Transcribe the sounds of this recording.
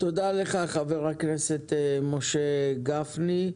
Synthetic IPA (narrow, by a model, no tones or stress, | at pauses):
t̪od̪aleχaχaveʁakneset̪emoʃeɡafni